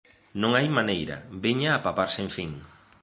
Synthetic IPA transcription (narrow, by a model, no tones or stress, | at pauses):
nõŋajmanejɾɐ̰beɲaːpapaɾsẽɱfiŋ